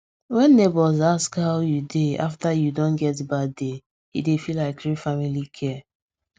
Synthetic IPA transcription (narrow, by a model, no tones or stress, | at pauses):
wɛ̃nːebɔlzaskhaʊjudea̰ftajudõnɡɛtbade | ḭdefilaɪkɹifamilikʰɛ